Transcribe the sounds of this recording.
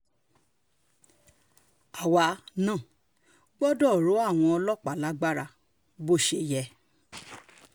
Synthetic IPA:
a˨wa˧nãː˦˨ | ɡ͡bɔ˦dɔ˦˨ɾo˨˦a˦˨w̃ɔ̃˧ɔ˧lɔ˦˨k͡pa˨la˨˦ɡ͡ba˦ɾa˧ | bo˦˨ʃe˧jɛ˧

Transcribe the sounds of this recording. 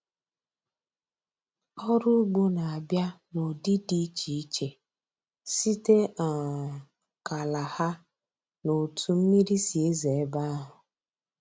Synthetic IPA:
ɔ˦ɾʊ˦ɡ͡bo˦na˨a˨bja˦no˨di˦di˦t͡ʃi˨i˦t͡ʃe˨ | si˦te˦a˨ | ka˨la˨ha˦ | no˨tʰu˦m̩˦mi˦ɾi˦si˨e˦ze˨e˦ba˦ɦʊ˨

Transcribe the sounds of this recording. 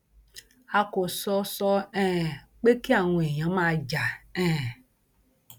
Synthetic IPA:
a˨ko˨sɔ˦sɔ˦ɛ̃ː˦ | k͡pe˦ke˦a˨ŋũ˨e˨ɲã˨˦mã˦d͡ʒa˨ɛ̃ː˦˨

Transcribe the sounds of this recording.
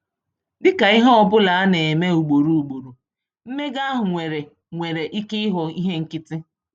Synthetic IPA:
dɪ˦ka˨i˦ɦɔ˦ɔ˦˨bʊ˦la˨a˦ne˨e˨me˦u˨ɡ͡bo˨ɾu˨u˨ɡ͡bo˨ɾu˨ | m̩˦me˦ɡa˦ɦʊ˨ŋʷe˨ɾe˨ | ŋʷe˨ɾe˨ʔi˦kɪ˦ɪ˦ɦɔ˨i˦ɦe˦ŋ̩˦kɪ˦tɪ˦

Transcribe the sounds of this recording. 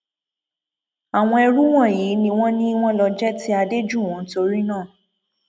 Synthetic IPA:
a˨w̃ɔ̃˧ɛ˧ɾu˦w̃ɔ̃˦˨ji˨˦nĩ˧w̃ɔ̃˦nĩ˦w̃ɔ̃˦lɔ˧d͡ʒɛ˦ti˦a˧de˦d͡ʒũ˦˨n̩˦to˧ɾi˦nãː˦˨

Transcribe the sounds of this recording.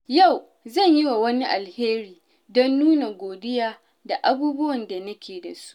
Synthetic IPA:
ja˦˨w | zɐ˦˨ɲjɪ˦wa˨wɐ˦ni˦ʔa˨lheː˦ɾiː˨ | dɔ˦nːuː˦na˨ɡʷoː˨dɪ˦jaː˦ | da˨ʔa˦buː˦bʊ˦wɐ˨nda˨nɐ˦kʲʰeː˨da̰˨su̥˦ʔ

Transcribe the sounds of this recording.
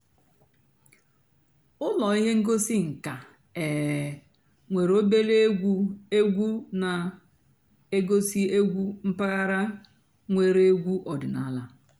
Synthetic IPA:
ʊ˦lɔ˨i˦ɦe˦ŋ̩˦ɡo˦si˦ŋ̩˨ka˨ | ɛ˨ | ŋʷe˨ɾo˦be˦le˦e˦ɡʷu˦e˦ɡʷu˦na˨ | e˦ɡo˦si˦e˦ɡʷu˦m̩˦pa˦ɣa˦ɾa˦ | ŋʷe˦ɾe˦ɡʷu˦ʔɔ˨dɪ˨na̰˨˦la˦

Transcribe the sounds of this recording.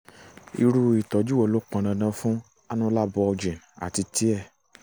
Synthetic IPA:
ḭ˧ɾu˧i˨tɔ˨˦d͡ʒu˦wɔ˨lo˨˦k͡pã˨˧ñã˧nã˧fũ˦ | a˦nũ˦la˦bɔ˧d͡ʒĩ˨n | a̰˨ti˧ti˨˦ɛ˦˨

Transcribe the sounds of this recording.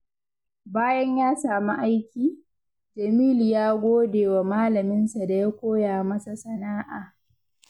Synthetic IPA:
baː˦jɐ˦ɲjaː˦saː˨mi˦ʔa˦jkʲiː˨ | d͡ʒɐ˨miː˦li˨jaː˦ɡʷoː˦deː˨wa˨maː˦lɐ˨mɪ˦nsa˨da˨ja˦kʷoː˦jaː˨mɐ˦sa˨sɐ˨naː˦ʔaː˨

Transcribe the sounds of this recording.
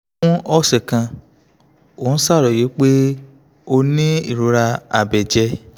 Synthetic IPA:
ũ˦ɔ˦˨sɛ˨kã˧ | o˨ũ˦sa˦˨ɾɔ˨je˨˦k͡pe˦ | o˧nĩ˦i˦˨ɾo˨˦ɾa˧a̰˨bɛ˨d͡ʒɛ˧

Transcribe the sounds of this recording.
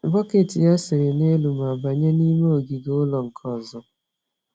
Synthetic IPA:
bɔ˦ke˨ti˨ja˦sɪ˨ɾe˨ne˦lu˨m˨a˨ba˨ɲe˦ni˦me˦o˨ɡi˨ɡʊ˦lɔ˨ŋ̩˨kʰɔ˦˨zɔ˨

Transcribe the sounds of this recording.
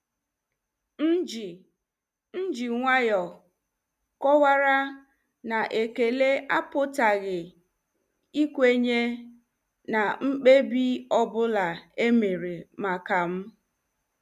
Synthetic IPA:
n̩˦d͡ʒi˨ | n̩˦d͡ʒi˨ŋʷa˦jɔ˨ | kɔ˦wa˦ɾa˦ | na˨ʔe˨ke˨le˦a˦pʊ˦ta˨ɣɪ˨ | i˦kʷe˦ɲe˦ | na˨ŋ͡m̩˦k͡pe˦bi˦ɔ˦˨bʊ˦la˨e˦me˨ɾe˨ma˨ka˨m̩˦

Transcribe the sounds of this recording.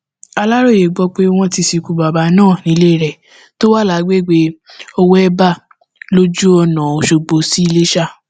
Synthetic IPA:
a˧la˦ɾo˦˨je˨ɡ͡bɔ˧k͡pe˦w̃ɔ̃˦ti˧si˨ku˨ba˨ba˨˦nãː˦˨nĩ˨˦le˦i˦˨ɾɛ˨ | to˦wa˦˨la˨˦ɡ͡be˦˨ɡ͡be˦o˧wo˦ɛ˦ba˦˨ | lo˦d͡ʒu˦ɔ˧nã˨o˨ʃo˧ɡ͡bo˨˦si˦i˦˧le˦ʃa˦˨

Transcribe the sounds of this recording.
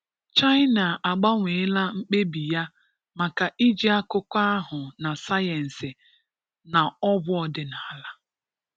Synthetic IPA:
t͡ʃa˦ɪ˦na˨ʔa˨ɡ͡ba˦ŋʷe˨ɪ˦la˦ŋ͡m̩˦k͡pe˦bi˨ja˦ | ma˨ka˨ʔi˦d͡ʒi˦a˦kʊ˦kʷa˦ɦʊ˨na˨sa˦jɛ˨n̩˨sɪ˨ | na˨ɔ˦bʊ˦ɔ˦dɪ˦na˨˦la˦

